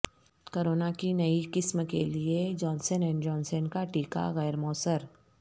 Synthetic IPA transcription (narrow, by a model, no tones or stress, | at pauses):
koːɾoːnakinɐikɪsmkelied͡ʒɔːnsənɛ̃ːnd͡ʒɔ̃ːnsənkaʈiːka̰ɣɛːɾmoːsəɾ